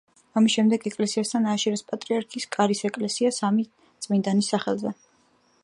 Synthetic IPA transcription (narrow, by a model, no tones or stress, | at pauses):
amisʃɛmd̪ɛɡɛkʼlɛsiast̪ʰanaːʃɛɾɛspʼat̪ʼɾiaɾkʰiskʼaɾisɛkʼlɛsiasami | t̪sʼmind̪anisaχɛlˠzɛ